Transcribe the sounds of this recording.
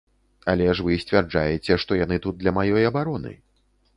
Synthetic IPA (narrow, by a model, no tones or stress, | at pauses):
alʲɛʂvɨsʲt͡sʲvʲard͡ʐajɛt͡sʲɛʂt̪ɔjan̪ɨt̪ut̪̚d̪lʲɐmajɔjɐbaɾɔnɨ̰